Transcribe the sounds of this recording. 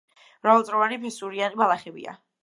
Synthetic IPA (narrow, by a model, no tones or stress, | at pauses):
ɾaɔlˠtsʼɾɔvanipʰɛsuɾianibalˠaχɛbḭa̰